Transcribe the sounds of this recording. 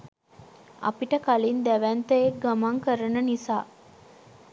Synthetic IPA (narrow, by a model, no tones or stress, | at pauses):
ɐ̰piʈəkalind̪æʋænt̪əjek̚ɡamaŋkəɾənənisaː